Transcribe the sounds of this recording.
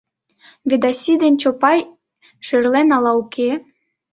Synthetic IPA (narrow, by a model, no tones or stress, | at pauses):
βed̪ɑsʲid̪enʲt͡ɕopɑj | ʃørlenɑlɑukʰe